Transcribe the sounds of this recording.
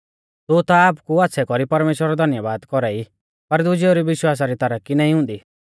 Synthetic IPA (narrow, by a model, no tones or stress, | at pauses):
t̪ʊt̪aːpkuat̪ːsʰɛkɔɾipɐɾmeːʃwɾaɾɔd̪ʱɐnjəʋaːd̪kɔɾɛːi | pɐɾd̪ʊd͡ʒɛoɾiʋɪʃwaːs̬aɾit̪ɐɾəkːinãːĩɦʊ̃nd̪iː